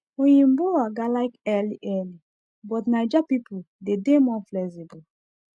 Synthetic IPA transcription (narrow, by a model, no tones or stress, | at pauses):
ojĩmboaɡalaɪkɛliʔɛli | bɔtnaɪd͡ʒapipu | dedemɔflɛsibul